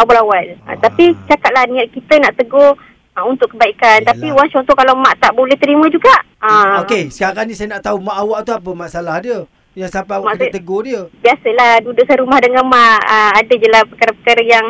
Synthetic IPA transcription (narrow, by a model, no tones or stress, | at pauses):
awalawalə̰t̪apit͡ʃakat̪̚lahnĩaʔ̪̚kit̪ənaʔt̪əɡoh | unt̪ʊʔkəbaikant̪apiuaŋt͡ʃɔnt̪ɔhkalamaʔt̪aʔbolɛht̪əɾimə̃d͡ʒuɡaʔ | əokesə̥kaɣanisajənaʔt̪aumaʔawaʔt̪uapəmaʔsalahdiə | jaŋsapaaaakt̪əɡohdiəbiasəlahdudʊʔsaɾumahdaŋamaʔəadəd͡ʒəlahpəkaɾapəkaɾajaŋ